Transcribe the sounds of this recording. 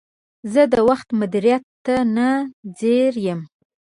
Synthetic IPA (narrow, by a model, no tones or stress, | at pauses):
zəd̪əwaxt̪mʊd̪iɾijat̪ːanad͡zeɾjəm